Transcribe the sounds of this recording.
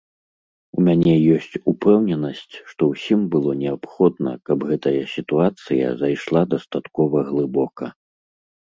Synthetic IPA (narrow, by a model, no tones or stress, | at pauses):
umʲanʲɛjɔsʲt͡sʲupɛwnʲɛnɐsʲt͡sʲʂt̪ɔwsʲimbɨlˠɔnʲɛapxɔd̪nɐ̰kɐbɣɛt̪ɐjɐsʲit̪uat̪sɨjɐ̰zajʂlˠad̪ɐst̪at̪kɔvɐɣlˠɨbɔkɐ̰